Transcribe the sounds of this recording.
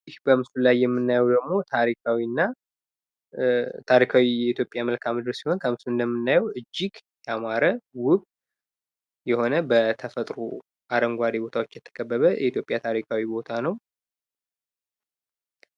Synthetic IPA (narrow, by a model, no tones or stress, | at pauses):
hbəmsulajːɛmːɨnːajɛwd̪əɡmo̞t̪ʰaɾikʰawinːa | t̪ʰaɾikʰawijɛit̪ʰjo̞pʼjaməlkʰamɨd̪ɨɾsiho̞nkʰəmɨsuɨnd̪əmːɨnːajɛwɨd͡ʒːiɡjamaɾəwʊkʼ | jɛho̞nəbət̪ʰəfət̪ʼɾṵ | ʔaɾəmɡʷad̪ebo̞t̪ʰawo̞t͡ʃːjɛt̪ʰːə̥kʼʰəbːəβəjʔɛ̰it̪ʰjo̞pʼjat̪ʰaɾikʰawibo̞t̪ʰanəw